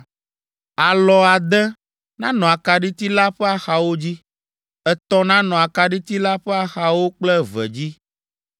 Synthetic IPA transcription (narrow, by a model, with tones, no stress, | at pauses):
a˨lɔ˨a˨d̪ɛ˦ | nã˦nɔ̃˨a˨ka˨ɖi˦t̪i˦la˦ɸɛ˦a˦˨xa˨wo˦d͡ʑi˦ | ɛ˦t̪ɔ˦nã˦nɔ̃˨a˨ka˨ɖi˦t̪i˦la˦ɸɛ˦a˦xa˨wo˦k͡plɛ˦vɛ̰˨d͡ʑi˦